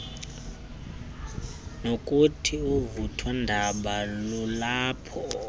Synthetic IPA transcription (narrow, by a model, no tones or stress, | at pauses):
nokʼutʰiuvutʰwandʱaɓalulaːpʰɔ